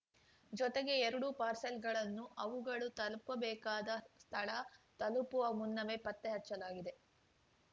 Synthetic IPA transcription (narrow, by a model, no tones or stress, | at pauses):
d͡ʒɔt̪eɡe̞ːɾuɽupaːɾselɡɐɭɐnːuʔɐʋuɡɐɭut̪ɐlupɐbɛːkaːd̪ɐst̪ʰɐɭɐt̪ɐlupuʋɐmunːɐʋe̞pɐt̪ːeɦɐt͡ʃːɐlaːɡid̪e̞